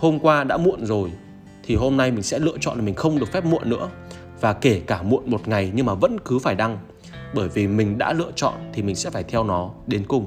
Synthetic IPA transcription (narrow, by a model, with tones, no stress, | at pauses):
ho˧mkwaː˧ɗa̰ː˧˥mṵ˧˨ənzo˨˩j | t̪ʰi˨˩ɦo˧mna˧jmï˨˩ŋsɛ̰˧˥lɨ̰˧˨ət͡ɕɔ̰˧˨nlaː˨˩mï˨˩ŋ̟xə˧wŋ͡mɗɨ˨˩ək̚fɛ˦˥p̚mṵ˧˨ənːɨ̰˧˥ə | vaː˨˩ke˧˩kaː˧˩mṵ˧˨ənmo˨˩t̚ŋa˨˩jɲɨ˧ŋmaː˨˩və̰˧˥nkɨ˨˦faː˧˩jɗa˧ŋ | ɓəː˧˩jvi˨˩mï˨˩ŋ̟ɗa̰ː˧˥lɨ̰˧ət͡ɕɔ̰˧˨nt̪ʰi˨˩mï˨˩ŋ̟sɛ̰˧˥faː˧˩jt̪ʰɛ˧wnɔ˨˦ɗe˨˦nkʊ˨˩ŋ͡m